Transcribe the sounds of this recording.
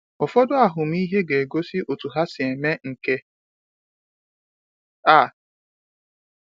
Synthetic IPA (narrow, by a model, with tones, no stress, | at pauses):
ɔ˨fɔ˦dʊ˦a˨ɦʊ˨m̩˦i˦ɦe˦ɡe˨e˨ɡo˦si˦ʔo˨tu˨ɦa˦sɪ˨e˨me˦ŋ̩˨ke˦ | a˨